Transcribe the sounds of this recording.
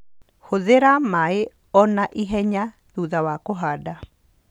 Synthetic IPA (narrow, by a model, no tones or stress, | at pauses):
hoðeɾamae | ɔnaʔiɦɛɲa | ðuðawakoɦada